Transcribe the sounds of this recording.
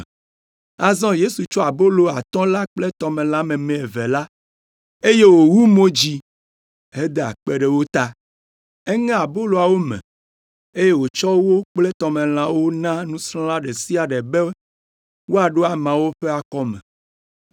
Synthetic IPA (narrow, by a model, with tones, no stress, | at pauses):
a˨zɔ̃˦je˦su˨t͡ʃɔ˦a˨bo˦lo˨a˨t̪ɔ̃˦la˦k͡plɛ˦t̪ɔ˨mẽ˨lã˦mɛ̃˨mɛ̃˨e˨vɛ˨la˦ | e˦je˦wo˨wu˦mõ˦d͡ʑi˦ | he˦d̪e˨a̰˨k͡pe˦ɖɛ˨wo˦t̪a˦ | ɛ˦ŋã˦a˨bo˦lo˨a˨wo˦mɛ̰̃˨ | e˦je˦wo˨t͡ʃɔ˦wo˦k͡plɛ˦t̪ɔ˨mẽ˨l̃ã˨wo˦nã˦nũ˦sɾɔ̃˦la˦ɖɛ˨si˦a˨ɖɛ˨be˦ | wo˦a˨ɖo˦a˨mã˨wo˦ɸe˦a˨kɔ˦mɛ̰̃˨